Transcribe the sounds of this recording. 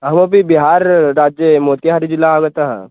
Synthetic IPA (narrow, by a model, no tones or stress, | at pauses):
ɦɐmobibiɦaːɾːaːd͡ʒjəmoːt̪iɦaɾid͡ʒɪlːaaːɡət̪aɦɛ̰̃ː